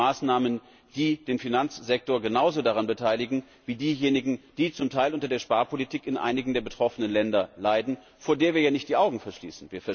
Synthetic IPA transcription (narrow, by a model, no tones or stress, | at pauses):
aːsnaːmən | d̥iːdeːnfinant͡sz̥ɛk̚toːɐɡənaʊzodaʁanbətʰaɪlɪɡŋ̩ | viːdiːjeːnɪɡŋ̩d̥iːt͡sʊmtʰaɪlʔʊntɐdeːɐʃpaːɐpʰolitʰiːkɪnʔa̰ɪnɪɡŋ̩deːɐbətʁ̥ɔfənənlɛndɐlaɪdn̩ | foːɐdeːɐviːɐjaːnɪçt̚d̥iːʔaʊɡŋ̩fɛɐʃlḭːsn̩viːɐfɛɐ